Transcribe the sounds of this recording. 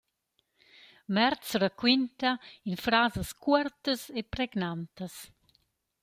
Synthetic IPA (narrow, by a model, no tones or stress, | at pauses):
mɛɾt̪sɾakwint̪ainfɾaːzəskuɛɾt̪əsepɾɛɡnant̪əs